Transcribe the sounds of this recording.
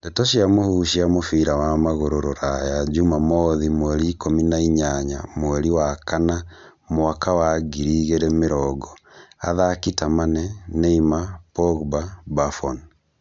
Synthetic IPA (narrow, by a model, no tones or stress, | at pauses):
dɛtɔʃiamohuʃiamofiɾawamaɣoɾoɾoɾajad͡ʒumamɔðimwɛɾiːkominaiɲaɲa̰mowɛɾiwakana | moakawaɡiɾiɣeɾɛmeɾɔɡɔa̰ðakitamanɛneimapɔɣbabafɔn